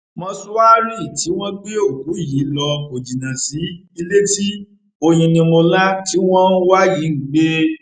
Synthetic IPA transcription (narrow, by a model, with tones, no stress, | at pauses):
mɔ̃˧su˦wa˦ɾi˦˨ti˨˦w̃ɔ̃˦ɡ͡be˦o˦˨ku˨˦i˦˨ji˨˦lɔ˧o˨d͡ʒi˨nã˨si˨˦ | i˧le˦ti˦ | o˧j̃ĩ˧nĩ˧mo˧la˦ti˨˦w̃ɔ̃˦n̩˦wa˦ji˨˦˨ɡ͡be˦